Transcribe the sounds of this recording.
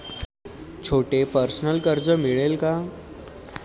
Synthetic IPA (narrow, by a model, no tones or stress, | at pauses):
t͡ɕʰoʈepəɾsnəlkəɾd͡zəmiɭelka